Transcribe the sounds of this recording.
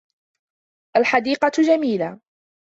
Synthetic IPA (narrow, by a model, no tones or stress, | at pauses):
ʔalħad̪iːqɑd͡ʒamiːla